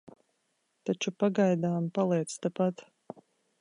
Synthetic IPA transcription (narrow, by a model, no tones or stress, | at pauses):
t̪at͡ʃupaɡajd̪aːmpalˠɛɛt̪st̪apat̪